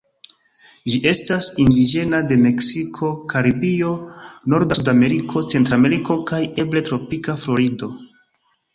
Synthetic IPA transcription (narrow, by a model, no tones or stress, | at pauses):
ʒiʔe̞stasindid͡ʒe̞nade̞me̞ksikʰo̞kaɾibio̞no̞ɾdasudame̞ɾikʰo̞t͡se̞ntɾame̞ɾiko̞kaje̞bletɾo̞pikaflo̞ɾido̞